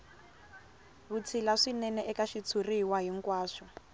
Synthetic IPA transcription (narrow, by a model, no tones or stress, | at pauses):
βut͡sʰilaʂinɛnɛʔɛkaʃit͡sʰuriwaɦiŋkwaːʂɔ